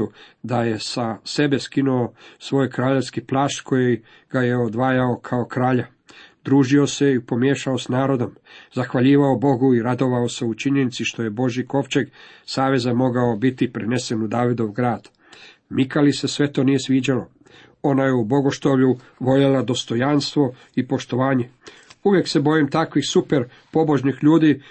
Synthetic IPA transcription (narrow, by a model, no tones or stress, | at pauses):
ud̪aje̞sase̞be̞skinuosʋo̞ːjkɾaːʎe̞ʋskiplaːʃt̪ko̞je | ɡ̥ajeod̪ʋaːjaokʰaokɾaːʎa | d̪ɾuːʒio̞se̞ipo̞mje̞ːʃaosnaːɾo̞d̪o̞mzaxʋaʎiːʋaobo̞ɡuiɾad̪o̞ʋaose̞ut͡ʃiɲe̞nit̪siʃt̪o̞je̞bo̞ʒjiko̞ʋt͡ʃeɡsaːʋe̞zamo̞ɡaobit̪ipɾene̞se̞nud̪aːʋid̪o̞ʋɡɾaːd̪̥ | mikalise̞sʋe̞t̪o̞ːnije̞sʋiːd͡ʑalo | o̞naje̞ubo̞ɡoʃt̪oʋʎu | ʋo̞ʎelad̪o̞st̪o̞janst̪ʋo̞ | ipo̞ʃt̪o̞ʋaːɲe̞ | uʋje̞kse̞bo̞jimt̪akʋixsupeɾ | po̞bo̞ʒnixʎuːd̪i